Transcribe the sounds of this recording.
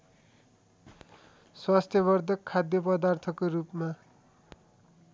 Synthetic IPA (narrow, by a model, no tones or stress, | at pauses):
swast̪ʰjʌβʌrd̪ʱʌkʰːad̪jʌpʌd̪art̪ʰʌkorupma